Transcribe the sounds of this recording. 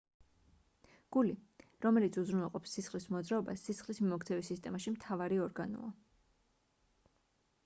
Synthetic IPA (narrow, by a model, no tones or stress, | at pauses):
ɡ̥uliɾɔmɛlit̪sʰuzɾunalˠqʼɔpsːisχlismɔd̪zɾaɔbasːisχlismimɔkt̪sʰɛvisist̪ʼɛmaʃimt̪ʰavaɾiɔɾɡanɔ̰a